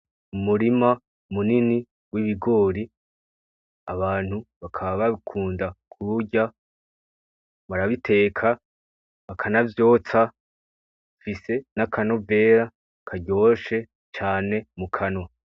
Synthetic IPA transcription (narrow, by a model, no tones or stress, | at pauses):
umuɾima | umunini | wiβiɡo̞ːɾi | aβaːn̥huβakʰaβaβakʰuːndakʰuɾuɟa | βaɾaβitʰe̞ːkʰa | βakʰanavjo̞ːt͡sa | fise̞nakʰano̞ve̞ːɾa | kʰaɟo̞ːʃe̞ | t͡ʃaːne̞mukʰano̞